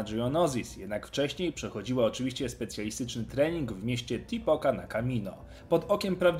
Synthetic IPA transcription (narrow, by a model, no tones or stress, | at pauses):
ʐuɔnɔzʲisjɛd̪nakft͡ʂɛɕɲejpʂɛxɔd͡ʑiwaɔt͡ʂɘvʲiɕt͡ɕɛspɛt̪sʲjalʲist̪ɘt͡ʂnɘt̪ɾɛɲiŋɡvmʲjeɕt͡ɕɛt̪ʲipɔkanakamʲinɔ̰ | pɔd̪ɔkʲɛmpɾavd͡ʑ